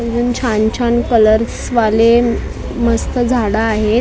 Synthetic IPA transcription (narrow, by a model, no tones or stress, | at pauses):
ənd͡zuːnt͡ɕʰaɲt͡ɕʰankələɾsʋale | məst̪ʰəd͡zʱaɽaːɦe